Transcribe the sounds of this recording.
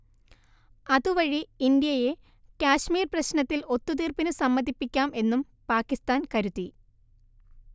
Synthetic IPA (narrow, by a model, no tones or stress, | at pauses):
ɐðuʋɐɻiind̪ijɐje̞ | kʲaːɕmiːrprɐɕnɐt̪ːilo̞t̪ːut̪̬iːrpinɨsɐmːɐðipːikʲːaːme̞nːum | paːkːist̪aːnkɐɾut̪ːi